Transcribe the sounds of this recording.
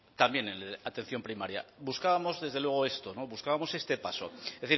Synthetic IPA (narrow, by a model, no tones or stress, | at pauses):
t̪ambje̞neat̪e̞n̟θjo̞mpɾimaɾja̰buskaβamo̞zðezðelwe̞ɣ̞o̞e̞st̪o̞no̞βuskaβamo̞se̞st̪e̞paso̞̰ðeθiɾ